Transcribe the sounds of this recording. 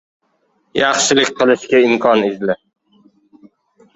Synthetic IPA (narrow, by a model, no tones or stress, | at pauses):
jɑχʃɪlɪkʲqʰɨlˠɪʃkʲaɪmkʰɒnɪzlɪ